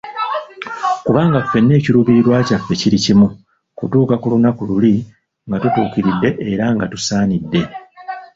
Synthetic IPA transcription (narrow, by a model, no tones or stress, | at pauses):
kuβaːŋɡafːe̞nːe̞ːciɾuβiɾwaːcafːe̞ciɾicimu | kutuːkakulunakululi | ŋɡatutuːkiɾidːe̞ʔːɾaŋɡatusaːnidːe̞